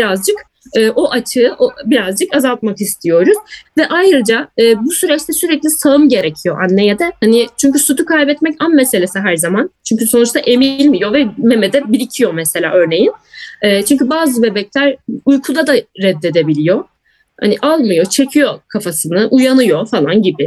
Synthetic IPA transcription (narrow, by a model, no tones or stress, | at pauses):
biɾazd͡ʒɯk | ɯːʔo̞ʔat͡ʃʰɯɯʔobiɾazd͡ʒɯkazalˠt̪makist̪ʰijo̞ɾuz̥vɛʔajɾɯd͡ʒaɯːbusyɾɛt͡ʃt̪ʰɛsyɾɛclʲisaɯmɟe̞ɾecʰijo̞ʔanːe̞jed̪ɛhanɪt͡ʃʰyɲcysut̪ʰukʰajbɛt̪mɛcanmese̞lʲe̞siɦæɾzamant͡ʃʰyɲcyso̞nut͡ʃt̪aʔe̞milʲmijo̞vɛme̞mɛd̪ɛbiɾicʰijo̞mɛse̞lʲa̰ːʔø̞ɾne̞jinɯːt͡ʃʰyɲcybaːzɯbe̞bɛclʲæɾujkʰud̪ad̪aːɛd̪ːe̞d̪e̞bilʲijo̞ | ha̰niʔalˠmɯjo̞t͡ʃʰe̞cʰijo̞kʰafasɯnɯʔujanɯjo̞falˠanɟibɪ